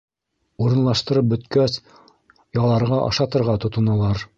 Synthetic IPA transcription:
uɾɤ̆nlˠɑʃt̪ɤ̆ɾɤp̚bɵ̆t̪kæs | jɑlˠɑɾʁɑʔɑ̰ʃɑt̪ɤ̆ɾʁɑt̪ŏt̪ɤ̆nɑlˠɑɾ

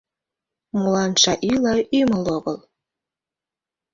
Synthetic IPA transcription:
mulɑnʃɑʔilɑyməloɣəl

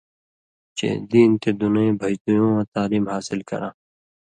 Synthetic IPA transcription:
t͡ɕḛːd̪iːnt̪ed̪unẽbʱɐjt̪ujõːãːt̪aːliːmhaːsɪlkɐ̰ɾãː

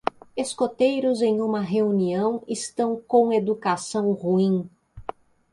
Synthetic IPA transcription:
eskot̪ejɾʊzẽj̃ũmɐɦeuniɐ̃w̃ɪst̪ɐ̃w̃kõw̃ed̪ukasɐ̃w̃huĩ

